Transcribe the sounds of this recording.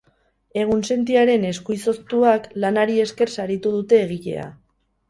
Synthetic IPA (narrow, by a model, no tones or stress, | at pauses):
e̞ɣ̞unse̞nt̪iaɾe̞ne̞skujso̞st̪uaklanaɾie̞ske̞rsaɾit̪uð̞ut̪e̞ːɣ̞ice̞̰a̰